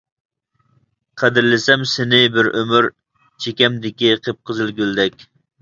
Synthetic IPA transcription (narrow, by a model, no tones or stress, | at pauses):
qʰæd̪ɪɾlɪsɛmsɪnɪbɪɾʔømyɾ | t͡ʃʰekʲɛmd̪ɪkʲiqʰəp̚qʰəzɨlɡʲyld̪ɛkʲ